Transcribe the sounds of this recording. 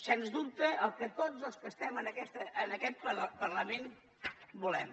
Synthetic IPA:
senzd̪up̚t̪əʔəlˠkət̪od͡zəlˠskəst̪ɛmənəkɛst̪əːnəkɛt̪̚pəpərləmen | bulɛm

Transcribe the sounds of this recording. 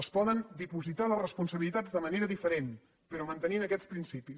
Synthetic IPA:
əspɔðənd̪ipuzit̪alərəspunsəβilit̪ad͡zdəməneɾəðifəɾen | pəɾɔmənt̪əninəkɛt͡sspɾinsipis

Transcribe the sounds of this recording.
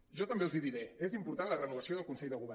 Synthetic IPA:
ʒɔt̪əmbelˠziðiɾeezimpuɾt̪anlərənuβəsioðəlˠkunsɛʎðəɣuβɛ

